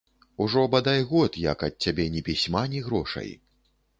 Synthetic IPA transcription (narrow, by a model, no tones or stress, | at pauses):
uʐɔbad̪ajɣɔt̪jɐ̰kɐt̪̚ʲt͡sʲːabʲɛnʲɛpʲisʲmanʲiɣɾɔʂɐ̰j